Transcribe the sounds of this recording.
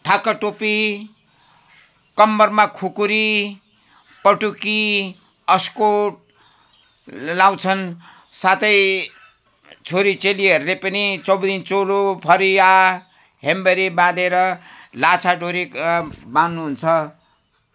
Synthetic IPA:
ʈʰakʌʈopi | kʌmbʌrmakʰukuɾi | pʌʈuki | ʌskoʈ̚ | law̃t͡sʰʌn | sat̪ʌj | t͡sʰoɾit͡seliɦʌɾulepʌnit͡sʌwd̪int͡solopʰʌɾia | ɦembʌɾibãd̪eɾʌlat͡sʰaɖʱoɾikbanːuɦunt͡sʰʌ

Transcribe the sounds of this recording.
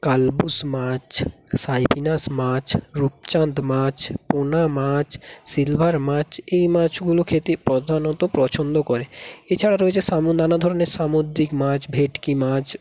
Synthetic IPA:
kalbusmãt͡ʃsajpinasmãt͡ʃɾup̚t͡ʃant̪mãt͡ʃponamãt͡ʃsilbʱaɾmãt͡ʃʰejmãt͡ʃɡulokʰet̪ipɾɔd̪ʱanɔt̪opɾɔt͡ʃʰond̪okɔɾeet͡ʃʰaɽaɾoɦet͡ʃʰesamonanad̪ʱɔɾoneɾsamod̪ɾikmãt͡ʃʰbʱeʈkimãt͡ʃ

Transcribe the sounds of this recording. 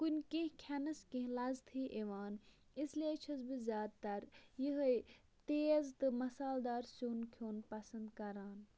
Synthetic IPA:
kunʲkẽɦkʰɐnɐskẽɦlɐzt̪ʰiːʔeʋaːn | islieːt͡ʃʰɐzbizjaːd̪̚t̪ɐɾjiɦj | t̪eːzt̪ɨmɐsaːld̪aːɾsuːnkʰjoːnpɐsɐnd̪kɐɾaːn

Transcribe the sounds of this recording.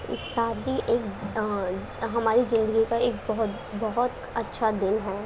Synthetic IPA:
saːd̪ʱiʔeːk | ɦɐmaːɾizɪ̃nd̪əɡikaeːk̚bɐɦʊt̪ | bɐɦʊt̪ | ɐtːʃʰad̪ɪnɦɛː

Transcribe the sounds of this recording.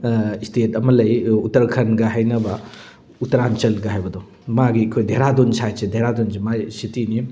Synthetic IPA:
stʰetɐmɐlɐjutɐɾkʰɐnɡaɦajnɐbɐ | utɐɾant͡ʃɐlɡɐɦajbɐdɔ | maɡikʰojdʱeɾadonsajsedʱeɾadonsemasitini

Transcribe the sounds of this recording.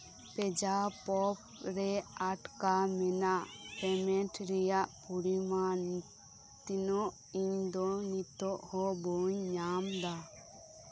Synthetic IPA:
pɛd͡ʒapɔp̚ɾɛaʈkamɛnaʔpɛmɛʈɾɛjaʔpuɽima | t̪inɔʔ | iɲd̪ɔnit̪ɔʔhɔbɔɲːamd̪a

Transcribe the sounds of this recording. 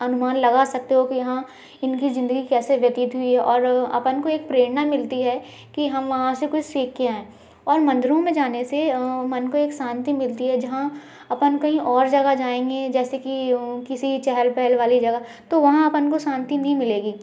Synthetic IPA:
ɐnʊmaːnlɐɡasɐk̚t̪eɦokijɐɦã | ɪnkizɪ̃nd̪əɡikɛːseʋjɐt̪it̪ɦʊiɦɛʔɔːɾɐ̰pənkoeːk̚pɾeːɽnamɪlt̪iɦɛ | kiɦɐmʋɐɦãsekʊt͡ʃseːkkijaɦɛ̃ː | ɔːɾmɐ̃nd̪ɾõmẽd͡ʒaːnesemɐnkoeːksãːnt̪imɪlt̪iɦɛd͡ʒɐɦã | ɐpənkɐɦĩʔɔːɾd͡ʒɐɡad͡ʒaːẽːŋɡed͡ʒɛːsekikɪsit͡ʃɛɦəlpɛɦəlʋaːlid͡ʒɐɡa | t̪oʋɐɦãɐpənkosãːnt̪inɐɦĩmɪleːɡiː

